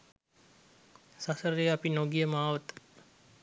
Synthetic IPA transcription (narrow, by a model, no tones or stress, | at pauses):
sasəɾeapinoɡijəmaːʋət̪